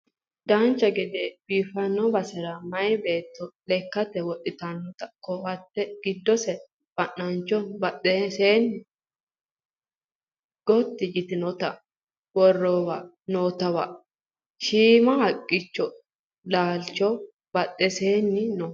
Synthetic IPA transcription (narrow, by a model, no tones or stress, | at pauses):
d̪̥ant͡ʃːɐɡɛd̪ebiːfɐnːɔbɐsɛɾɐmɐjbeːt̪ːɔlɛkːɐt̪ɛwɔɗʼːɪt̪ɐnːɔt̪ɐkːɔhɐt̪ːɛɡ̥ɪd̪ːɔsɛ | b̥ɐnːɐnt͡ʃːɔbɐʔʼɛseːnːɪ | ɡ̥ɔt̪ːɪd͡ʒɪt̪ɪnɔt̪ɐ | wɔrːoːwɐ | noːt̪ɐwɐ̰ | ʃiːmɐhɐkʼːɪt͡ʃːɔ | laːlt͡ʃːɔ | bɐt̪ʼːɛseːnːɪnɔ